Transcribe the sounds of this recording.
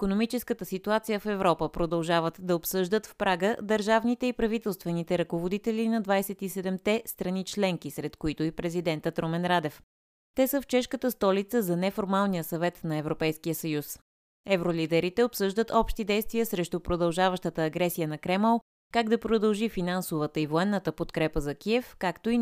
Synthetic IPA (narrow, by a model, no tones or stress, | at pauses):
ikonomit͡ʃɛskət̪əsit̪uat̪sijəfɛvɾɔpəpɾod̪ɐlˠʒavət̪d̪ɐopsɤʒd̪ət̪fpɾʔaɡəd̪əɾʒavnit̪ɛipɾɐvit̪ɛlˠst̪vɛnit̪ɛɾɐkovod̪it̪ɛlinɐd̪vajsɛt̪isɛd̪ɛmt̪ɛst̪ɾɐnit͡ʃlɛŋkisɾɛt̪koit̪ʊipɾɛzid̪ɛnt̪ət̪ɾomɛnɾad̪ɛf | t̪ɛsəft͡ʃɛʃkət̪əst̪ɔlit̪səzɐnɛfoɾmalˠnijəsɐvɛt̪nɐɛvɾopɛjskijəsɐjus | ɛvɾolid̪ɛɾit̪ɛopsɤʒd̪ət̪ɔpʃt̪id̪ɛjst̪vijəsɾɛʃt̪opɾod̪ɐlˠʒavəʃt̪ət̪əːɡɾɛsijənɐkɾɛmɛlˠ | kaɡd̪ɐpɾod̪əlˠʒifinansovət̪əivoɛnːət̪əpot̪kɾɛpəzɐkiɛfkakt̪oi